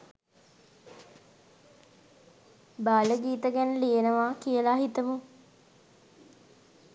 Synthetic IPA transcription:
baːləɡiːt̪əɡænəlienəʋaːkijəlaɦit̪əmu

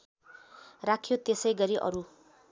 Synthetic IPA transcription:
rakʰjot̪esʌjɡʌɾiʔʌ̰ɾu

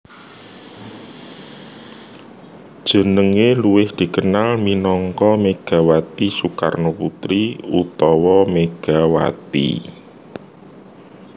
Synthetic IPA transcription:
d̥ʒ̥ə̤nəŋeluwɪhd̪̥i̤kənalminɔŋkɔmeɡ̥a̤wat̪isuka̰rnoput̪ɾiut̪ɔwɔmeɡ̥a̤wa̰t̪ḭ

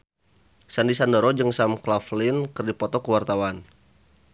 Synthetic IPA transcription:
sandisandəɾɔd͡ʒɨŋsamklaflɪnkɨrdipɔt̪ɔkəwart̪awan

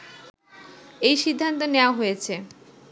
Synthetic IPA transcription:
ejʃid̪ʱːant̪̬oneoaɦojet͡ɕʰe

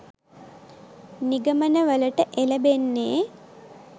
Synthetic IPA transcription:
niɡəmənəʋələʈəʔeləbenːeː

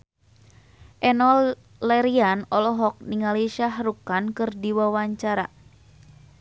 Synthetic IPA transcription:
ʔɛnɔl | lɛɾianɔlɔɦɔk̚niŋaliʃahrukankɨrdiwawaɲt͡ʃaɾa̰

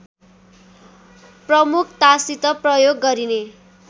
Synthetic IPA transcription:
prʌmukʰt̪asit̪ʌprʌjoɡːʌɾine

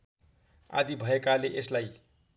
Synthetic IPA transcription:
a̰d̪ibʱʌekaleʔeslaj

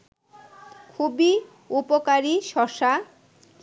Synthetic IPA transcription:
kʰubi | upokaɾiʃɔʃa

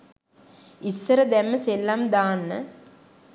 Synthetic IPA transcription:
isːɐɾɐd̪ɛmːəselːamd̪aːnːə̰

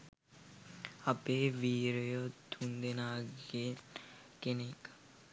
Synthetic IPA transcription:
apeːʋiːɾjod̪und̪enaːɡe | kenek

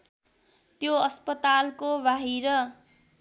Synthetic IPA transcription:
t̪joʌspʌt̪alkobaɦiɾʌ

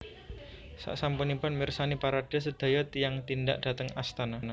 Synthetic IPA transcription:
sa̰ʔsampunipʊnmirsanipaɾaɖ̥ɛ̤səd̪̥a̤jɔt̪ijaŋt̪inda̰ʔd̥a̤t̪əŋast̪anana

